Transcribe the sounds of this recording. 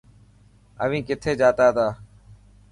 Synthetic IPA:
ə̰ʋĩːkɪt̪ʰeːd͡ʒaːt̪aːt̪aː

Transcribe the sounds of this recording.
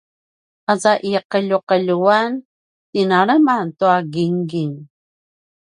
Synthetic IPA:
azaʔiqəʎuqəʎuan | tinaɭəmantuaɡiŋɡiŋ

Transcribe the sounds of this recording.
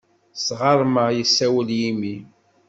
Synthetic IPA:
sʁɑɾˤməjəsːæwəljimi

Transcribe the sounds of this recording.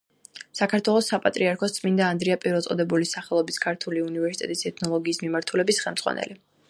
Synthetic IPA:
sakʰaɾt̪ʰwɛlˠɔsːapʼat̪ʼɾiaɾkʰɔst̪sʼmind̪aːnd̪ɾiapʼiɾɛlt̪sʼɔd̪ɛbulisaχɛlˠɔbiskʰaɾt̪ʰuliunivɛɾsit̪ʼɛ̰t̪ʼisɛt̪ʰnɔlˠɔɡiːsmimaɾt̪ʰulɛbisχɛlˠmd̪zʁwa̰nɛ̰li

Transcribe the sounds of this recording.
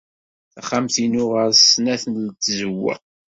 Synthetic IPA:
θæχamθinʊʁəɾsnæθənlt̪ːzəwːə̰

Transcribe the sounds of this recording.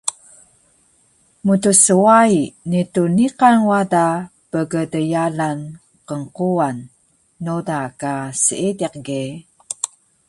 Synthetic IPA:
mutusəwainituniqanwadapəɡədəjalan | qəŋquanː | odakasəidiq̚ɡe

